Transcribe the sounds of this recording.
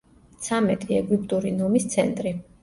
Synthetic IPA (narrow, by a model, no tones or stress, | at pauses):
t̪sʰamɛt̪ʼiɛɡip̚ʼt̪ʼuɾinɔmist̪sʰɛnt̪ʼɾi